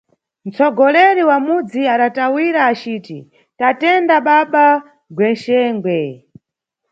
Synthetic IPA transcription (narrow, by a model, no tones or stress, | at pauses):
n̩t͡sʰɔɡɔlɛɾiwamud͡ziaɗatawiɾaːt͡ʃiːtḭ | tatɛndaɓaɓa | ɡwɛnʃɛːŋɡwɛ